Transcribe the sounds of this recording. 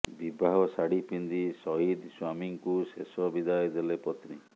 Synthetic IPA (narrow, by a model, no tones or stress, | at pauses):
bibʱaɦɔsaɽipind̪isɔɦid̪swamiŋkusesɔbid̪ajɔd̪elepɔt̪ni